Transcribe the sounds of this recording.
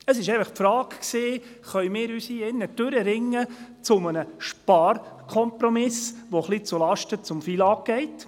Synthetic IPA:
əsɪʃɛɪfəχpfɾɑːkksiː | χœjmɪːɾysiɪnːəd̥øɾəɾɪŋːət͡sʊmənəʃpɑːɾkʰɔmpɾɔmɪsʋoχlit͡sulɑʃtət͡sʊmfiːlɑːk̚ɡ̥ɛɪt

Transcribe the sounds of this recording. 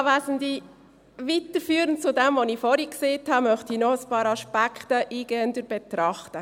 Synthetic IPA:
ʋæːsəndi | ʋitəɾfyːɾənt͡sʊdɛmʋonifɔɾikseːthɑmœχtinɔəspɑːɾɑʃpækʰχtəʔiːɡ̥ɛːəndəɾb̥et̪ɾɑχtə

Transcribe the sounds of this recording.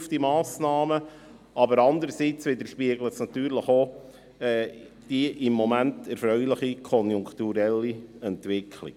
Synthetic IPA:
fdimɑːsnɑːmə | ɑbəɾɑnd̪əɾəsit͡sʋɪd̪əɾʃpiəɡlətsnɑt̪yːɾləχo | ɛ | d̥iʔɪmːɔmæntɛɾfɾœʏlɪχikʰɔnjʊŋkt̪uɾɛlːiɛnt̪ʋɪkʰlɪ̰

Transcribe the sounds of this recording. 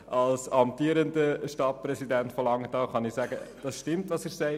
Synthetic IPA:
ʔɑlsɑm̚tiːɾəndəʃtɑt̚pɾɛsidɛntfɔlɑŋətɑχɑnɪsæːɡə̰d̥ɑsʃtɪmtʋɑsɪɾsɛɪ

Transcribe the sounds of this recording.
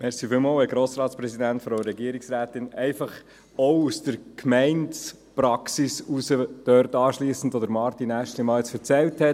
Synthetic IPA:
mɛɾsifɪːlmoːlʋɛɡɾoːsɾɑːt̪spɾɛsidæntfɾoʊɾɛɡiəɾiksɾæːtɪnɛɪfɑχ | ɔʊusd̥əɾkʰmɛɪnts | pɾɑksisusəd̥œɾtɑːʃliːsn̩dvʋɔd̪əɾmɑɾtinæʃtlimɑːlɛt͡sfəɾt͡sɛlthɛ

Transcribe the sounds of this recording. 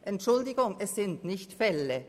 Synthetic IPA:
ʔɛntʃʊldɪɡʊŋɛssɪntnɪçtfɛlə

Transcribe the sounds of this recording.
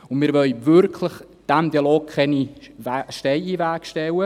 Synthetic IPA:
ʊnmɪːɾvœlvʏɾkʰləχ | d̥ɛmd̪ialoːkʰχɛni | ʃtɛɪivæːkʃtɛwə

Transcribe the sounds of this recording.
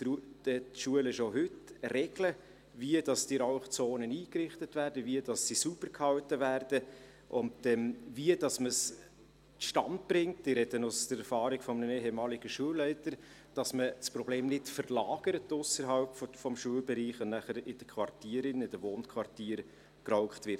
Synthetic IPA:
tud̥ɛtʃuəlɪʃoɦʏtrɛɡlə | viəd̥ɑsd̥iɾaʊχt͡soːnəniːkrɪχtətvæːɾd̥əviəd̥ɑssisub̥əɾkʰhɑltəvæːrd̥ə | ʔʊndɛmviəd̥ɑsməs | ʃtɑntb̥ɾɪŋtɪɾɛdənʊsd̥əɾɛɾfɑːɾɪkfɔmnəneːɦɛmɑːliɡ̥əʃuəlːɛɪtəɾ | d̥ɑsməspɾɔbleːmnɪtfəɾlɑːɡ̥əɾətːʊsəɾɦɑlpffɔmʃuəlbɛɾiːχʊnnæχəɾɪd̥əkʰvɑrtiːəɾɪnɪd̥əʋoːnkʰvɑrtiːəɾ | krɔʊχtʋɪɾt

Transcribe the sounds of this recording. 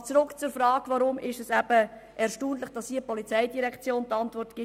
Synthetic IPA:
t͡sɾʊkt͡sʊɾfɾɑːɡʋaɾʊmɪʃɛsæb̥ə | ʔɛɾʃtuːnlɪχd̥ɑsiəpɔlit͡sɛɪdiɾɛkt͡sjoːnt̪ɑntvɔrtɡ̥ɪ

